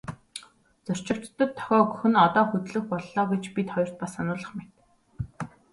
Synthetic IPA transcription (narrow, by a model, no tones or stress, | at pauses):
t͡sʊr̥t͡ɕɪ̆kt͡ɕt̪ːə̆t̪ʰːɔ̥xʲɔːɡɵ̥xɵ̆nɔt̪ɔːxɵt̪ɮɵ̆xpɔɮːɔːɡet͡ɕpit̪χɔjɞr̥t̪̚pasanʊːɮə̆χmet̪